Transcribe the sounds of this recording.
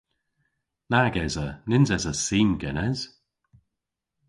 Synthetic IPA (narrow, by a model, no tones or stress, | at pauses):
naɡɛzənɪnzɛzəsiːnɡɛnɛz̥